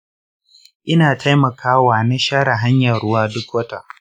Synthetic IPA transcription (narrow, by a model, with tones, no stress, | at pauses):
ʔɪ˦naː˨ta˦jmɐ˨kʰaː˦waː˨na˦ʃaː˦ɽa˨ɦa˦ɲjɐ˨ɽʊ˦waː˦dʊ˦kwɐ˦ta˨ʔ